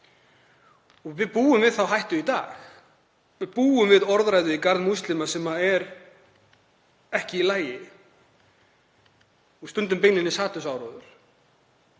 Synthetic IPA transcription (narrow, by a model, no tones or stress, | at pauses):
ɔɣvɪðpuːʏmvɪðθawɦajht̪ʏit̪a̰ːx | vɪðpuːʏmvɪðɔɾðɾajðʏikaɾðmust̪lɪmasɛmaɛɾ | ɛhcɪilaːjɪ | ust̪ʏnt̪ʏmpejnɪnːɪsaːt̪ʏsawɾɔwðʏɾ̥